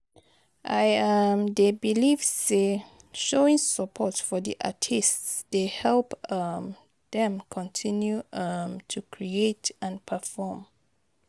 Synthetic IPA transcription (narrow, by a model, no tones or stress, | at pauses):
ʔajãmdebilivðe | ʃoĩŋsəpʰɔtfɔdḭʔa̰tʰistsd̥ehɛlp | ðɛ̃mkʰɔ̃ntʰĩnjuʌmtʰukʰɹietãnpʰəfɔm